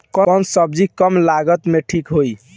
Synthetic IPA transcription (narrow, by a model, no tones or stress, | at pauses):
kɔɔnsəb̚d͡ʒikəmlaɡət̪meʈʰikɦoj